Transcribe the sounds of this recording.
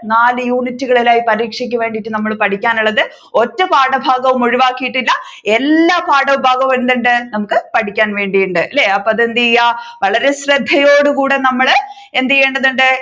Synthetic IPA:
naːlɨjuːnitːuɣɐɭilaːjipɐɾiːkʂikʲːɐʋe̞ːɳɖitːɨnɐmːɐɭpɐʈʰikʲːaːnuɭːɐðɨ | o̞tːɐpaːɽɐbʱaːɡɐʋumuɻiʋaːkːijiʈːilːɐ | e̞lːaːpaːɽɐʋubʱaːɡɐʋend̪iɳɖɨnɐmukːɨpɐʈʰikʲːaːnʋe̞ːɳɖijuɳɖɨlːeɐpːɐɐðend̪ijɐʋɐɭɐɾe̞ɕrɐd̪ʱːɐjo̞ːɽukuːɽe̞nɐmːɐɭ | e̞nd̪ijeːɳɖɐðeɳɖɨ

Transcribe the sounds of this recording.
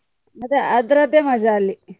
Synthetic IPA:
mɐd̪eɐd̪ɾɐd̪emɐd͡ʒaːlːi

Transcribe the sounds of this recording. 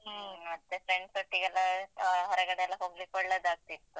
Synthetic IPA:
ɦmmɐt̪ːefɾeɳɖsoʈːiɡɛlːɐɦɐɾɐɡɐɽeɛlːɐɦoːɡlikoɭːed̪aːɡ̚t̪it̪ːu

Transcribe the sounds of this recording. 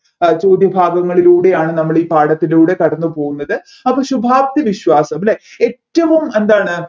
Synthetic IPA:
t͡ɕo̞ːd̪jɐbʱaːɡɐŋːɐɭiluːɽe̞jaːɳɨnɐmːɐɭiːpaːɽɐt̪ːiluːɽe̞kɐɽɐnːupo̞ːɣunːɐðɨ | ɐpːɐːɕubʱaːbt̪iʋiɕʋaːsɐmleeʈːɐʋume̞nd̪aːɳɨ

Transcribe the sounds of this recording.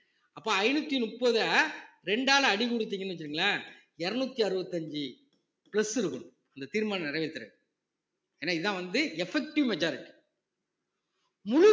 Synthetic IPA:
ɐpːoːɐɪnɯt̪ːinʊpːɐðɯ | ɾɛɳɖaːlɐɐɽikʊɽɯt̪ːiːŋɡɐnːʋɛt͡ʃːɪɾiːŋɡɐlaː | ɛɾɐnuːt̪ːiɐɾɯʋɐt̪ːɐɲd͡ʒɯ | pɪlɐsɪɾɯkːɯm | ɐnd̪ɐt̪iːɾmaːnɐnɪɾɐʋet̪ːɐɾɯ̰ | eːnːaːɪðɯðt̪ãːʋɐnd̪ɯɛfɛk̚ʈɪʋmɛd͡ʒaːɾɪʈːi̥ | mʊɻʊ

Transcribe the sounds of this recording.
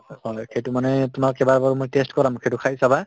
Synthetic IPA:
hɔjxejtʊmanɛtʊmakɛbaɹbaɹɔmojtestkɔlamxejtukʰajsaba

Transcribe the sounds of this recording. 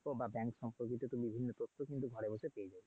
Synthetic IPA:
obabɛŋkʃɔmpoɾkit̪ot̪obibʱinːot̪ot̪ʰːokint̪uɡʱɔɾebosepeed͡ʑabe

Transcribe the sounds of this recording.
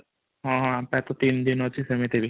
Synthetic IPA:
ɦãɦãpɛt̪ot̪ind̪inɔt͡ʃisemẽt̪ebʱi

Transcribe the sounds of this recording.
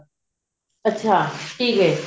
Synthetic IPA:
ɐtːʃʰaːʈʰiːkɦɛː

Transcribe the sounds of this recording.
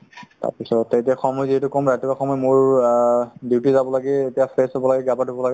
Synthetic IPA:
ta̰ɹpisɔtːetiaxɔmɔjziɦɛtʊkɔmɹatibaxɔmɔjmʊɹ | diwtizabɔlaɡɛetijapʰesɔbɔlaɡɛɡapadʱubɔlaɡɛ

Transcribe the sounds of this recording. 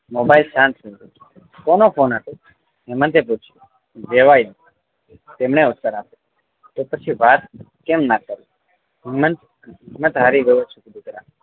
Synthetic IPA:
mobailʃãnt̪ʰind̪u | konofʰonat̪o | ɦɛmə̃nt̪eput͡ʃʰi̥ | ʋeʋaid̪ | t̪emɳeʊt̪ːəɾape | t̪opət͡ʃʰiʋat̪̚ | kemnakəɾu | ɛmənt̪ | mə̃t̪ɦaɾiɡəjot͡ʃʰukd̪ikəɾa

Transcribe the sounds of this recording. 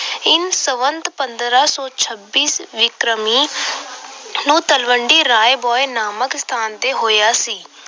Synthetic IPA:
ɪnsəʋənt̪pənd̪ɾaːsɔːt͡ʃʰəbːiːsʋɪkɾəmiː | nũːt̪əlʋəɳɖiːɾaːebɔːenaːməkst̪ʰaːnt̪eːɦoːjaːsiː

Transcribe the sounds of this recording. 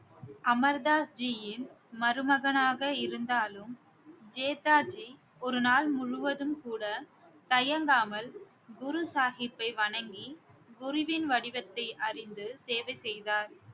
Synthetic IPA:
ɐmɐɾðaːsd͡ʒijɪn | mɐɾɯmɐɣɐnaːɣɐɪɾɯnd̪aːlɯm | d͡ʒeːt̪aːd͡ʒi | ɔɾɯnaːlmʊɻʊʋɐðɯmkuːɽɐ | t̪ɐjɐŋɡaːmɐl | ɡʊɾʊsaːɣɪpːɐɪʋɐɳɐŋɡiɡʊɾɪʋɪnʋɐɽɪʋɐt̪ːɐɪʔɐrɪnd̪ɯseːʋɐɪsɛjðaːɾ

